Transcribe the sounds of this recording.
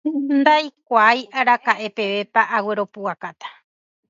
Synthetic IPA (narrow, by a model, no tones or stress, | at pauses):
nd̪ajkʷajʔaɾakaʔe̞pe̞ʋe̞paʔawe̞ɾo̞puakat̪ḁ